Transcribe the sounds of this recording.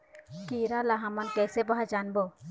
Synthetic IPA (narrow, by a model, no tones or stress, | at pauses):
kiɾalaɦamankɛjsɛbaɦad͡ʒanbɔ